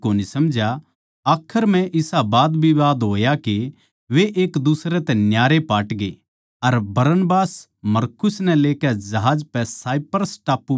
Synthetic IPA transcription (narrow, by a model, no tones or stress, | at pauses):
oːnisɐmd͡ʒa | aːkʰəɾm̤ɛ̃ʔɪsabaːd̪bʱiʋaːd̪ɦoːjake | ʋeʔeːkd̪usɾɛt̪ɛ̃njaːɾepaːʈɡe | ɐɾbɐɾənbaːs | mɐɾkʊsnɛ̃leːkɛd͡ʒɐɦaːd͡ʒpɛsaːjpəɾsʈaːpːu